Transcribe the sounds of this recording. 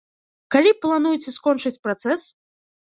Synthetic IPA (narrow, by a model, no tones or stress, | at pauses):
kalʲiplˠanujt͡sʲɛskɔnt͡ʂɨt͡sʲpɾat̪sɛs